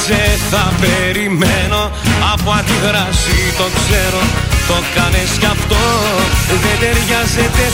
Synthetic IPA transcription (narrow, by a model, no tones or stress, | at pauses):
seθɐpeɾimeno̞ | ɐpoɐnd̪iɣɾɐsit̪o̞kse̞ɾo̞t̪o̞kɐnescɐft̪o̞ | uðed̪e̞ɾʝɐzet̪e̞